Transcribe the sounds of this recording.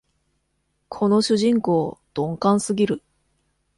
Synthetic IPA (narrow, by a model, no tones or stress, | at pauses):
kʰo̞no̞ɕɨʑĩŋko̞ːd̪̥õ̞ŋkãɰ̃sɨɡʲiɾɯ̟